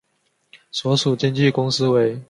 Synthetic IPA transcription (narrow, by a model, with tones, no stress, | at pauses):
swɔ˨˧˥su˨˩t͡ɕjɛ˥nt͡ɕi˥˨kʊ˥ŋs̩˦we˧˦ɪ